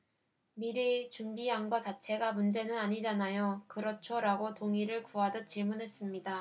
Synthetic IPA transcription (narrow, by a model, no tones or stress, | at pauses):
miɾit͡ɕumbiaŋɡʌt͡ɕat͡ɕʰe̞ɡamund͡ʑe̞nɯnaɲid͡ʑanajokɯɾʌt͡ɕʰoɾaɡotoŋiɾɯɭkuadɯt̚t͡ɕiɭmunɦe̞s͈ɯmɲida